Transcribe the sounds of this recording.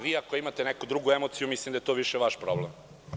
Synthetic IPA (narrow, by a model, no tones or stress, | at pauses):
ʋiːakoimat̪enɛkud̪ɾuɡuemot̪sijumislimd̪ajet̪oʋiʃeʋaʃpɾoblem